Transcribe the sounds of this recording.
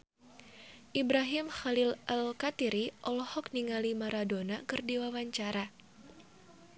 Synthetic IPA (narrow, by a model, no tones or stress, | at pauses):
ʔibɾaɦimxalilalkat̪iɾiʔɔlɔhɔkniŋalimaɾadonakɨrdiwawaɲt͡ʃaɾa